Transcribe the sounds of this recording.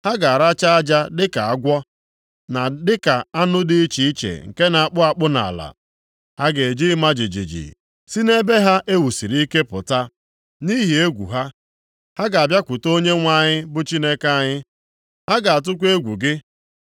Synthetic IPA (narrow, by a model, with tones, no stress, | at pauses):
ha˦ɡa˨a˨ɾa˦t͡ʃa˦a˦d͡ʒa˦dɪ˦ka˨a˦ɡʷɔ˦ | na˨dɪ˦ka˨a˦nʊ˦dɪ˦i˦t͡ʃi˨i˦t͡ʃḛ˨ŋ̩˨ke˦na˨a˨k͡pʊ˦a˨k͡pʊ˦na̰˨la̰˨ | ha˦ɡe˨e˨d͡ʒi˦ma˦d͡ʒi˨d͡ʒḭ˨d͡ʒḭ˨ | si˦ne˦be˦ɦa˦ʔe˦wu˨si˨ɾi˦ke˦pʊ̰˨ta˦ | ni˦ɦi˨e˦ɡʷṵ˨ɦa˦ | ha˦ɡa˨a˨bja˦kʷʊ˨to˦ɲe˦ŋʷa˦˨ɲɪ˦bʊ˦t͡ʃi˦ne˦ka˦˨ɲɪ˦ | ha˦ɡa˨a˨t̬ʊ˦kʷe˦ɡʷu˨ɡɪ˦